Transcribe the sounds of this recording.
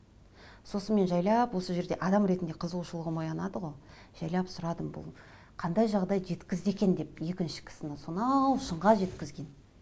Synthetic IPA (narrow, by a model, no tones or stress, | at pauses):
so̞sənme̞nʒɑjlˠɑpwo̞səʒe̞ɾd̪e̞ʔɑd̪ɑmɾe̞t̪ɪnd̪e̞qʰəzəlˠuʃəlˠəʁəmo̞jɑnɑd̪əʁo̞ | ʒ̥ɑjlˠɑpsʊɾɑd̪əmbʊ̰lˠ | qʰɑnd̪ɑjʒɑʁd̪ɑjʒe̞t̪kʲɪzd̪e̞kʲe̞nd̪e̞pje̞kʲɪnʃɪ̥kʲʰɪ̥sɪnɪsonɑwʃəɴʁɑʒe̞t̪kʲɪzɡʲe̞n